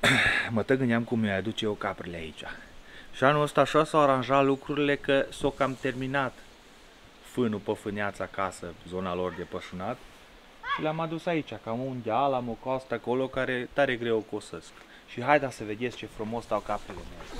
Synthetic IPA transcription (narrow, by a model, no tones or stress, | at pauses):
mət̪əɡɨnd̪eamkumojad̪ut͡ʃejewkapɾilea̰it͡ʃʲaʃianuləst̪aːʃasawaɾanʒalukɾuɾile̞kəso̞kamt̪e̞rminat̪ | fɨnupəfɨneat̪sakasəzo̞nalo̞rd̪e̞pəʃunat̪ | ʃileamad̪usait͡ʃʲakamund̪alamokast̪ako̞lo̞kaɾe̞t̪aɾe̞ɡɾe̞wokosəsk | ʃiɦajd̪asəve̞d̪e̞skt͡ʃe̞fɾumo̞st̪awkapɾileme